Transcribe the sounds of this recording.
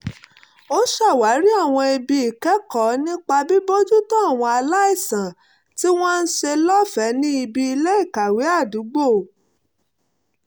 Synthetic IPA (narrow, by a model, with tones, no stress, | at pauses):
o˦ʃa˦˨wa˨˦ɾi˦a˦˨w̃ɔ̃˧i˧bi˧i˨kɛ˨˦kɔ˨˦nĩ˦k͡pa˧bi˦bo˦d͡ʒu˦tɔ˦a˦˨w̃ɔ̃˧a˧la˦i˦˨sã˨ | ti˦w̃ɔ̃˦n̩˦ʃe˧lɔ˦fɛ˨˦nĩ˦i˧bi˧i˧le˦i˦˨ka˨we˨˦a˦˨du˨˦ɡ͡bo˦˨